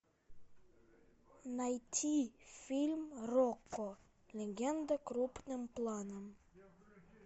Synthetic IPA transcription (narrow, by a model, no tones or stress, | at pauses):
nɑjt̪ʲʰifʲilʲmrokːo | lʲeɡʲɛnd̪əkɾupnɨmplˠɑnəm